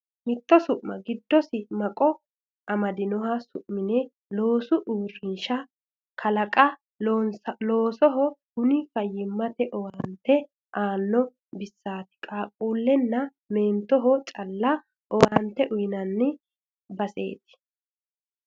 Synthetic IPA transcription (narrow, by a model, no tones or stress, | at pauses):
mɪt̪ːɔsʊʔmɐɡɪd̪ːɔsɪmɐkʼɔ | ʔɐmɐd̪ɪnɔhɐsʊʔmɪnɛ | loːsʊʔuːrɪnʃɐ | kʰɐlɐkʼɐ | nslo̞ːsɔɦɔhʊnɪfɐjːɪmːɐt̪ɛʔɔwant̪ːɛ | ʔaːnːɔ | bɪsːaːt̪ɪ̥kʼaːkʼuːlːɛnːɐ | meːnt̪ːɔɦɔt͡ʃʼɐlːɐ | ʔɔwant̪ːɛʔʊjnɐnːɪ | bɐse̞̰ːt̪ɪ̥